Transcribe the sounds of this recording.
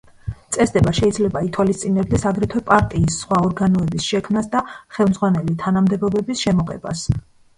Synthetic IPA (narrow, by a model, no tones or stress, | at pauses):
t̪sʼɛsd̪ɛbaʃɛid̪zlɛbait̪ʰwalist̪sʼinɛb̚d̪ɛsaɡɾɛt̪ʰwɛpʼaɾt̪ʼiːsːχwaɔɾɡanɔɛbisʃɛkʰmnasd̪aχɛlˠmd̪zʁwanɛlit̪ʰanamd̪ɛbɔbɛbisʃɛmɔqʼɛ̰ba̰s